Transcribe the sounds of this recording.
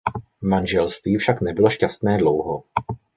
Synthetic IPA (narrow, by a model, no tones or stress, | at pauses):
manʒɛlst̪viːfʃaknɛbɪlo̞ʃcast̪nɛːdlowɦo